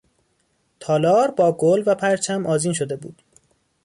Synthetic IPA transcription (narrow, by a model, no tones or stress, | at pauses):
t̪ʰɒːlɒːɾbɒːɡolvæpʰæɾt͡ʃʰæmʔɒːziːnʃo̞d̪e̞bṵːd̪̥